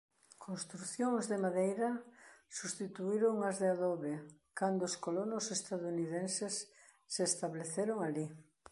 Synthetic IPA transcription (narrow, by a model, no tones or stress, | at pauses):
kʰonst̪ɾuθjoŋzðemaðejɾɐsust̪it̪uiɾoŋazðeaðɔβekand̪oːskolonosest̪aðuniðensesː | eːst̪aβleθeɾoŋali